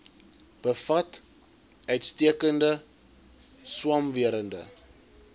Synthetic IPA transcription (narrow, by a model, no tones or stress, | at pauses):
b̥əfɐt | œɥtstiəkəndə | swɑmviəɾəndə̰